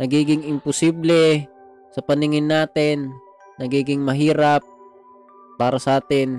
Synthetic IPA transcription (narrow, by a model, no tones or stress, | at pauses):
nɐɡiːɡɪŋɪmpʊsiːblɛ | sɐpɐnɪŋɪnːaːt̪ɪnː | ɐɡiːɡɪŋmɐɦiːɾap̚ː | aːɾɐsɐʔaːt̪ɪn